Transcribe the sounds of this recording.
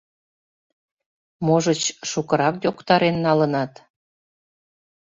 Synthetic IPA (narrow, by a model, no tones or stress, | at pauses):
moʒət͡ɕʃukəɾɑkjokt̪ɑɾenːɑlənɑt̪